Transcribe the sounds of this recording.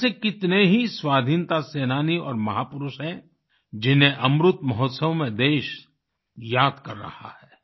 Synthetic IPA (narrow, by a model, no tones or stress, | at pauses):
sekɪt̪neɦiswaːd̪ʱiːnt̪aseːnaːniɔ̰ːɾmɐɦaːpʊɾʊʃɛ̃ | d͡ʒɪnɦeʔɐmɾʊt̪mɐɦɔt̪səʋmẽd̪eːʃ | jaːd̪kɐɾːɐ̰ha̰hɛː